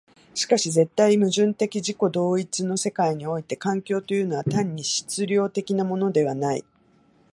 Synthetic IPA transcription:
ɕi̥kaɕize̞t̪ːaimɯ̟ʑɨ̃nt̪e̞kʲiʑiko̞d̪o̞ːit͡sɨno̞se̞kaiɲ̟io̞it̪e̞kãŋkʲo̞ːt̪o̞jɯ̟no̞β̞at̪ãɲ̟ːiɕi̥t͡sɨɾʲo̞ːt̪e̞kʲinamo̞no̞d̪e̞β̞anaḭ

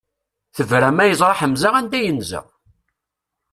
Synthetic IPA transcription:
θəvɾæmæjəzˤɾˤɑħəmzaʁænd̪æjənzə̰ʁ

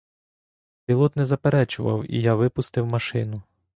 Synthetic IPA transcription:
pʲilˠɔt̪nɛzɐpeɾɛt͡ʃʊʋɐ̰wḭjaʋɪpʊst̪ɪwmɐʃɪnʊ

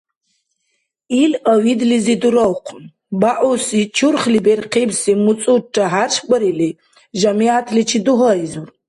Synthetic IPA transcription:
iləwid̪lizid̪uɾɔwqʷʰ | baʔusit͡ʃʰurχlibɛrqʰibsimut͡sʼuʈ͡ʂʼaɦarʂbʼəɾili | ʒamiat̪ʰlit͡ʃʰid̪uɦɔizur

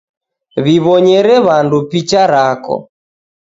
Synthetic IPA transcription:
βiβɔɲɛɾɛβandupit͡ʃaɾakɔ̰

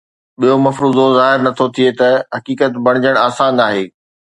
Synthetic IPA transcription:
ɓijomɐfɾuːd̪ozaːɦɪɾnɐt̪ʰot̪ʰiet̪ɐɦɐkiːkət̪bɐɽ̃d͡ʑəɽ̃aːsaːnaːɦeː

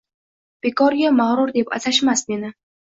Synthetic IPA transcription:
b̥ekɒɾɡʲamaʁɾʊɾd̪epa̰zaʃmasnenɪ

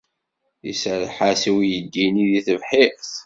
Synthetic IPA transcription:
ḭsəɾħasiwijəd̪ːiniðiθəvħiθ

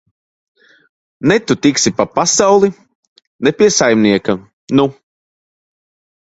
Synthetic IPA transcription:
nɛt̪ut̪iksipapasawlˠi | nɛpʲiɛsajmniɛka | nu

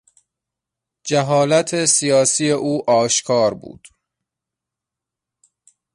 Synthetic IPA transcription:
d͡ʒæɦɒːlæt̪ʰesijɒːsiːe̞ʔuːʔɒːʃkʰɒːɾbṵːd̪̥

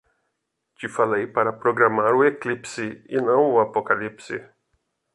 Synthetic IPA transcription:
t͡ʃɪfalejpaɾɐpɾoɡɾamaɾʊeklipsɪɪnɐ̃w̃ʊapokalipsɪ̰

